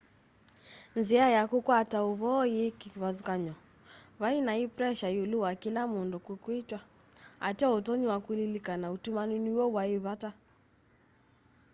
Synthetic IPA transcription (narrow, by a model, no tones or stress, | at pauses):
nziajakukwatauβɔjekiβaðukaɲɔ | βainaipɾɛʃajuluwakilamundɔkukwitwa | a̰tiɔutɔɲiwakulilikanautumaniniwɔwaiβata